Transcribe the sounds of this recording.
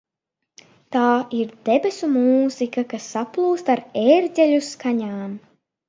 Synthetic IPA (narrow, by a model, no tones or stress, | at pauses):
t̪aːiɾd̪̥ebesumuːz̥ikakasːaplˠuːst̪aɾeːɾɟʲɛlʲuskaɲaːm